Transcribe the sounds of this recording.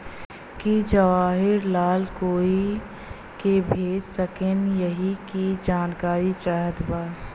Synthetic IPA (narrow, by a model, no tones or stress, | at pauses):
kid͡ʒəʋaːɦɪɾlaːlkoːi | kebʱeːd͡ʒsəkɪnjəɦikid͡ʒaːnkaːɾit͡ʃaːɦət̪baː